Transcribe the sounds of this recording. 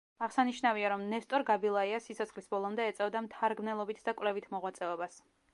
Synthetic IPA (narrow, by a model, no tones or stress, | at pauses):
aʁsaniʃnaviaɾɔmnɛst̪ʼɔɾɡabilˠaiasisʰɔt̪sχlisbɔlˠɔmd̪ɛːt̪sʼɛvd̪amt̪ʰaɾɡmnɛlˠɔbit̪ʰd̪akʼvlɛvit̪ʰmɔʁwat̪sʼɛɔbas